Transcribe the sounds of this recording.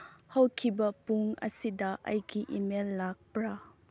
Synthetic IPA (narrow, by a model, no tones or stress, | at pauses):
hɐwkʰibɐpuŋɐ̰sidɐʔɐ̰jkiʔimelːak̚pɾa